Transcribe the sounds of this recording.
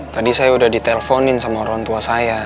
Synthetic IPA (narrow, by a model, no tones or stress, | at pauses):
t̪adisajaudahdit̪ɛlɛfɔnɪnsamaɔɾɔŋt̪uasaja